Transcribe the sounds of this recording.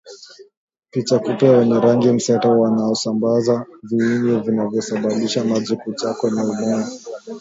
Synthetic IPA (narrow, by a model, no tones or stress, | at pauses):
pit͡ʃakupawɛɲɛɾaŋɡim̩sɛtawanaɔsambazaviiŋɡɛvinavjɔsaɓaɓiʃamazikut͡ʃakɔnauɓɔŋɡɔ